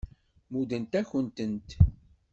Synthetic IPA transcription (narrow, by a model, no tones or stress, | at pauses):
mud̪ənt̪æçənt̪ənt̪